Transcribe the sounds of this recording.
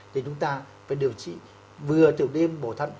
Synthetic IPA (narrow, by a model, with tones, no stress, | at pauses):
t̪ʰe˨˩t͡ɕʊ˨˦ŋ͡mt̪aː˧ | vaː˨˩ɗɨ˨˩ə˩wt͡ɕḭ˧˨ | vɨ˨˩ət̪ɨ˨˩əwɗe˧mɓo˧˩t̪ʰə˧n